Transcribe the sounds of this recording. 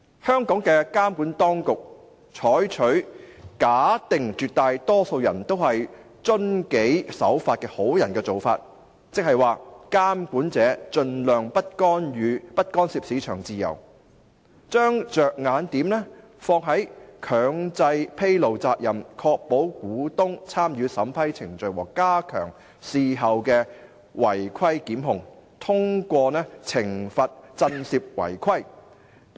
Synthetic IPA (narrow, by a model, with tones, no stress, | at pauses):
hœː˥ŋkɔː˨˥ŋkɛː˧kaː˥mkuː˨˥nt̪ɔː˥ŋkʊ˨k̚ | t͡ʃʰɔː˨˥jt͡ʃʰɵ˨˥ɥkaː˨˥t̪ɪ˨ŋt͡ʃyː˨t̚t̪aː˧jt̪ɔː˥so˧wjɐ̰˨˩nt̪o˥whɐ˨j | t͡ʃɵ˥nke˨˥jsɐ̰˨˥wfaː˧t̚kɛː˧ho˨˥wjɐ˨˩nkɛː˧t͡so˨wfa̰ː˧t̚ | t͡sɪ˨k̚hɐ˨jwaː˨kaː˥mkuː˨˥nt͡sɛː˨˥t͡ʃɵ˧nlœː˨˩ŋpɐ˥t̚kɔː˥nɥyː˨˧pɐ˥t̚kɔː˥nsiː˧˥p̚si˨˥t͡ʃʰœː˨˩ŋt͡siː˨jɐ̰˨˩w | t͡ʃœː˥ŋt͡ʃœː˨k̚ŋaː˨˧nt̪iː˨˥mnɛː˥ | fɔː˧k̚ɦɐ˨˥jkʰœː˨˧ŋt͡sɐ˧jpʰe˥jlo˨wt͡saː˧k̚jɐ˨˩mkʰɔː˧k̚po˨˥wkuː˨˥t̪ʊ˥ŋt͡sʰaː˥mjyː˨˧sɐ˨˥mpʰɐ˥jt͡sʰɪ˨˩ŋt͡ʃɵ˨ɥwɔː˨˩kkːaː˥kʰœ̰ː˨˩ŋ | siː˨ɦɐ˨wkɛː˧ | wɐ˨˩jkʰɐ˥jkiː˨˥mɦʊ˨˩ŋt̪ʰʊ˥ŋkʷɔː˧nɛː˥t͡sʰɪ˨˩ŋfɐ˨t̚t͡sɐ˧nsiː˧p̚wɐ̰˨˩jkʰɐ˥j